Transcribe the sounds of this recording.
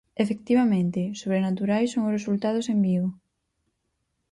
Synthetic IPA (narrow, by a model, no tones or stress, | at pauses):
efek̚t̪iβamẽnt̪ɪsoβ̞ɾenat̪uɾajsoŋʊsresult̪að̞ʊsembiɣʊ